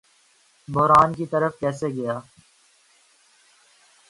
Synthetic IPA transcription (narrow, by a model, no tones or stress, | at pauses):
bɔɦɾaːnkit̪əɾəfkɛːseɡɐjaː